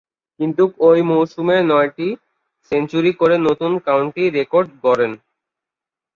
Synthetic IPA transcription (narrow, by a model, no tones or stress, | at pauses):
kint̪ukojmowʃumenɔjʈi | sent͡ɕuɾikoɾenot̪unkawɳʈiɾekoɾɖɡɔɾen